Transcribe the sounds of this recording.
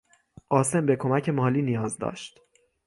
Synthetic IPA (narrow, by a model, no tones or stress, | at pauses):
ʔɒːse̞mbe̞kʰo̞mæcʰe̞mɒːliːnijɒːzd̪ɒ̰ːʃt̪